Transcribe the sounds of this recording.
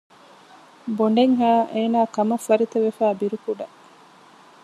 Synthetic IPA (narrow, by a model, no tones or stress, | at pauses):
boɳɖeŋɦaːʔeːnaːkɐmɐfːɐɾit̪eʋefæːbiɾukuɖɐ